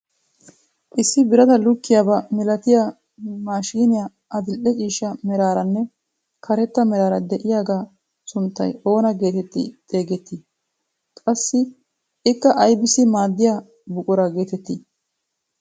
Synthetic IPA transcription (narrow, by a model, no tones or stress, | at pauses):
ʔɪsːɪbɪɾɐd̪ɐlʊkːɪjaːbɐmɛlɐt̪ɪja | maːʃiːnɪja | ʔɐd̪ɪlʔɛt͡ʃʼiːʃːɐmɛɾaːɾɐnːɛ | kʰɐɾɛt̪ːɐmɛɾaːɾɐd̪ɛʔɪjaːɡaː | sʊnt̪ːɐ̰jo̞ːnɐɡe̞ːt̪ɛt̪ːɪ̰t̪ʼe̞ːɡɛt̪ːɪ | kʼɐsːɪ | ɪkːɐʔɐjbɪsɪmaːd̪ːɪjaː | bʊkʼʊɾɐɡe̞ːt̪ɛt̪ːɪ